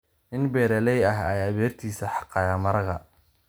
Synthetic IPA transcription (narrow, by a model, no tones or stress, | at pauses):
ʔɪnbɛːɾɛlɛjɐɦɐjɐβɛːrt̪ʰiːsɐħɑ̥qɑːjamɐɾɐɣɐ̰